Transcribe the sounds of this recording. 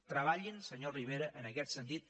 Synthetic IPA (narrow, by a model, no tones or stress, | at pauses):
t̪ɾəβaʎinsəɲoriβ̞eɾəʔənəkɛt̪sənt̪it̪̚